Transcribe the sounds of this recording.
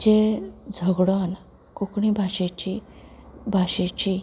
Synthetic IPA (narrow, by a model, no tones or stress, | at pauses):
d͡ʑed͡zʱəɡɽəan | kokɳĩbʱaɕet͡ɕi | bʱaɕet͡ɕi